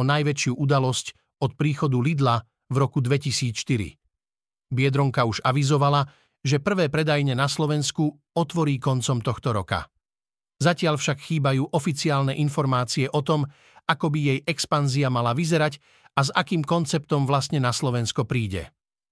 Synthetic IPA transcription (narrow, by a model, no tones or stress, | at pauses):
ɔnajʋɛt͡ʃɪuʔud̪alɔsc | ɔt̪̚pɾiːxɔd̪ulid̪la | vɾɔkud̪ʋɛcisiːt͡sʃt̪iɾḭ | bɪɛd̪ɾɔŋkauʒaʋizɔʋala | ʒɛpr̩ʋɛːpɾɛd̪ajɲɛnaslɔʋɛnsku | ɔt̪ʋɔɾiːkɔnt͡sɔmt̪ɔxt̪ɔɾɔka̰ | zacɪaʎfʃakxiːbajuːʔɔfit͡siaːlnɛʔinfɔɾmaːt͡siɛʔɔt̪ɔm | akɔbijɛjʔɛkspanziamalaʋizɛɾac | azakiːmkɔnt͡sɛp̚t̪ɔmʋlast̪ɲɛnaslɔʋɛnskɔpɾiːɟɛ̰